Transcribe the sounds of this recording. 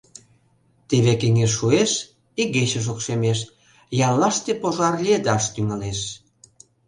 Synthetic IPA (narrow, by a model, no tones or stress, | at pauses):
t̪eβekeŋeʃ̬ːueʃ | iɣet͡ɕə̆ʃ̬okʃemeʃ | jɑlːɑʃt̪epoʒɑrlʲed̪ɑʃt̪yŋɑleʃ